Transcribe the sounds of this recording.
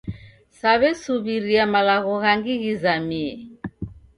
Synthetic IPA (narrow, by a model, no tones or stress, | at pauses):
saβɛsuβiɾiamalaɣɔɣaŋɡiɣizamiɛ